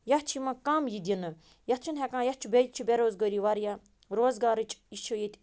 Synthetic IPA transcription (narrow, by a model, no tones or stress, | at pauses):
jɐht͡ʃʰimɐkaːmjid̪ʲinɨ | jɐt͡ʃʰunɦɛkãːjɐht͡ʃʰubʲejt̪̚t͡ʃʰubʲeɾoːzɡəɾiʋaɾja | ɾoːzɡaːɾɨt͡ʃʼiʃʰojet̪ʲʼ